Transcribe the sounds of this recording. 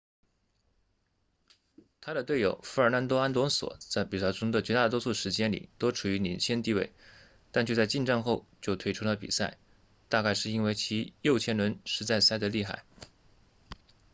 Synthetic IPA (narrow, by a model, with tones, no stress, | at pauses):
t̪ʰa˥ɾə˨t̪we˥˩ɪjo˨˩ʊfu˧˥ə˞˧˥na˧˥nt̪̬wɔ˥a˥nt̪wɔ˧˥ŋswɔ̰˨˩˦t͡sa˥˩ɪpi˨˩sa˥˩ʈ͡ʂʊ˥ŋd̪ə˨t͡ɕɥɛ˧˥t̪a˥˩t̪wɔ˥su˥˩ʂɻ̩˧˥t͡ɕjɛ˥nlḭ˨˩t̪o˥ʊʈ͡ʂʰu˨˩y˧˥ni˧˥nt͡ɕʰjɛ˥nt̪i˥˧we˥˩ɪ | t̪a˥˧nt͡ɕjy˥˧t͡sa˥˧t͡ɕi˥˧nʈ͡ʂə˥˧ŋxo˥˧ʊt͡ɕjo˥˧ʊt̪ʰwe˥ɪʈ͡ʂʰu˥lə˨pḭ˨˩sa˥˩ɪ | t̪a˥˧ka˥˧ɪʂɻ̩˥˩i˥nwe˥˩ɪt͡ɕʰi˧˥jo˥˩ʊt͡ɕʰjɛ˥nlwə˧˥nʂɻ̩˧˥t͡sa˥˧ɪsa˥˩ɪd̪ə˧li˥˧xa̰˥˩ɪ